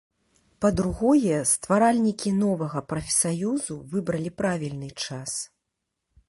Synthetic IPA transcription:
pɐd̪ɾuɣɔjɛst̪vaɾalʲnʲikʲinɔvɐɣɐpɾɐfʲɛ̥sajuzuvɨbɾɐlʲipɾavʲilʲnɨt͡ʂas

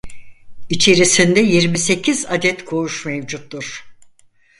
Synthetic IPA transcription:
it͡ʃʰe̞ɾisind̪ɛjiɾmise̞cʰizad̪ɛt̪kʰoɾuʃmevd͡ʒut̪ːuɾ̥

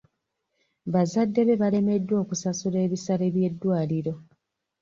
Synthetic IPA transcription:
βazadːe̞βe̞βale̞me̞dːwo̞ːkusasule̞ːβisaɾe̞βje̞dːwaːliɾo̞

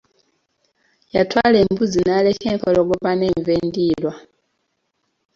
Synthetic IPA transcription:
jatwaleːmbuzinalekeŋkoloɡoβaneːɱveːndiːlwa

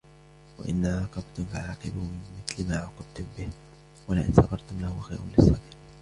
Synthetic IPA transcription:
wa̰ʔɪnːaʕɑːqɑbt̪ʊmfɪʕʕɑːqɪbmɪmɪθlmaːʕʊqɪb̚t̪ʊmbɪh | walaʔɪ̰nsɑɣɑɾˤt̪ʊmlahʊxajɾʊ̰lɪsˤːɑbiːq

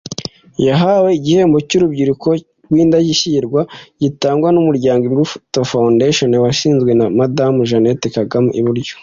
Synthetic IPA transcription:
jaɦawe̞iɟihe̞ːmbocuɾubɟiɾuko̞ | ɾɡwiːndaɟiʃiɾɡwaɟ̥itaːŋɡwanumuɾɟaːŋɡiɡuftofawndeʃonwaʃiːnzɡwe̞namadamuʒanetekaɡamʔḭβuɾɟo̥

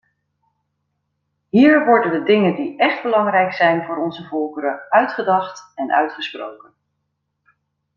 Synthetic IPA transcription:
ɦiːɹʋɔɹdəndədɪŋəndiʔɛχdbəlɑŋrɛjksɛjnvʊːɾɔnzəvɔlˠkəɾəœɥtχədɑχtɛnʔœ̰ɥtχəsprowkən

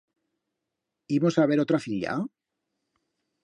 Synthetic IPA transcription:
imo̞saβ̞e̞ɾot̪ɾafiʎa̰

